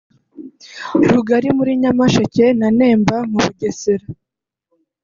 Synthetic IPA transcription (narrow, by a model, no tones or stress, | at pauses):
ɾuɡaɾimuɾiɲamaʃace̞nane̞ːmbamuβuɟeseɾa